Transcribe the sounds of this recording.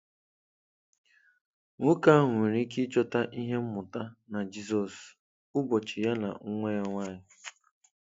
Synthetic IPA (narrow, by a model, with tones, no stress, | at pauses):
ŋʊ˦ka˦ɦe˨ɾi˦ki˦t͡ʃɔ˦ta˦ʔi˦ɦe˦m̩˦mʊ˨ta˦na˨d͡ʒi˦sɔ˨s | ʊ˦bɔ˨t͡ʃɪ˨ja˦na̰˨ŋ̩˦ŋʷe˦ja˦ŋʷa˦˨ɲɪ˨